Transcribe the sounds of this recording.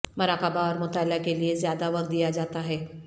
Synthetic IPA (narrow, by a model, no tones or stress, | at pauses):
mɐɾaːkəbaɔːɾmʊt̪aːlakeliezjaːd̪aʋɐkd̪ijad͡ʒaːt̪aɦɛː